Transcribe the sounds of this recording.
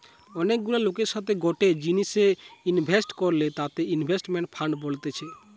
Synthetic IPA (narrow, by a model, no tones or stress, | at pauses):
ɔnek̚ɡulalokeɾʃat̪ʰeɡɔʈed͡ʑiniseinbʱesʈkɔɾlet̪at̪einbʱesʈmẽɳʈ̚pʰaɳɖbolt̪et͡ʃʰe